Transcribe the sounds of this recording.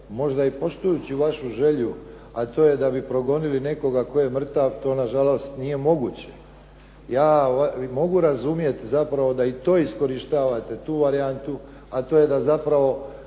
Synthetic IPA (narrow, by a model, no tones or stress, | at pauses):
mo̞ʒd̪aipo̞ʃt̪ujut͡ɕiʋaʃuʒe̞ʎu | at̪o̞je̞d̪abipɾo̞ɡo̞niline̞ko̞ɡako̞jemr̩t̪aʋt̪o̞ːnaʒalˠo̞st̪nije̞mo̞ɡuːt͡ɕe̞̥ | jaːamo̞ɡuɾazumje̞t̪zapɾaʋo̞d̪ait̪o̞ːisko̞ɾiʃt̪aːʋat̪e̞t̪uːʋaɾiant̪u | at̪o̞ːje̞d̪azapɾaʋo̞